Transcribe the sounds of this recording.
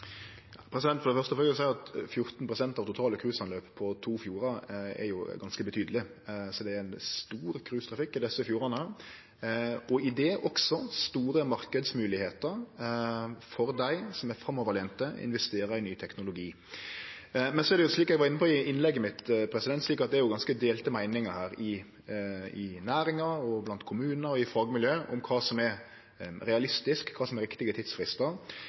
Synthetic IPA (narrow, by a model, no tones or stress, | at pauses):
jɑpʰɾɛsɪd̪ɛnfɔɾd̪ɛfœʁst̪ɔfʁøləsɛɪɑt̪fjʊɾt̪npʰʁʊsɛnt̪ɑːʋt̪ʰʊt̪ʰɑːləkʰɾʉːsɑnløːppʰːɔt̪ʰuːfjuːɾɑɛ̰ɾjʊɡɑnskəbət̪ʰyːd̪əlɪ | sɔd̪ɛæɾænst̪uːɾkʰɾʉːst̪ʰɾɑfɪkːɪd̪ɛsːəfjuːɾɑnə | ɔɪd̪ɛːʔɔksɔst̪uːɾəmɑɾkəd̪smʉːlɪheːt̪əɾ | fɔɾd̪æɪsɔmæfɾɑmːɔʋəɾlɛːnt̪əɪ̰nʋɛst̪eːɾəɪnyːt̪ʰɛknʊlʊɡiː | mɛnsɔɛɾd̪ɛjʊsliːkɛɡʋɑːɾɪnːəpʰɔɪɪnlɛɡːəmɪt̪pʰɾɛsɪd̪ɛnt̪sliːkɑt̪̚d̪ɛæɾjʊɡɑnskəd̪eːlt̪əmæɪnɪŋəhæːɾɪ | ɪnæːɾɪŋɑɾɔblɑnt̪kʰʊmʉːnnəɾɔɪfɑːɡmɪljøːʔʊmkʰɑːsɔmɛɾ | ɾɛɑlɪst̪ɪskʰːɑːsɔmɛɾɪkt̪ɪɡət̪ʰɪd̪sfɾɪst̪əɾ